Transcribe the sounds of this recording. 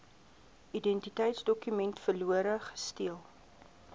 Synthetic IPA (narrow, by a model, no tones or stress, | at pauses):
idɛntitəjtsdɔkymɛntfərluəɾəχə̥stiəlˠ